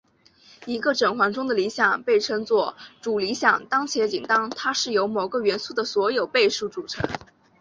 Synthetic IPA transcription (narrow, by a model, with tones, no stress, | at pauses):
i˧˥ɡə˧ʈ͡ʂɤ˨˩ŋxwɑ˧˥ŋʈ͡ʂʊ˥ŋd̪ə˨li˧˥ɕjɑ˨˩ŋpe˥˩ɪʈ͡ʂʰɤ˥ŋt͡swɔ˥˩ʈ͡ʂu˨˩li˧˥ɕjɑ˨˩ŋt̪ɑ˥ŋt͡ɕʰjɛ˧˥t͡ɕi˨˩nt̪ɑ˥ŋt̪ʰa˥ʂɻ̩˥˩jo˧˥ʊmo˨˩ʊɡə˧ɥɛ˧˥nsu˥˩d̪ə˩swɔ˧˥jo˨˩ʊpe˥˧ɪʂu˥˩ʈ͡ʂu˨˩ʈ͡ʂʰɤ̰˧˥ŋ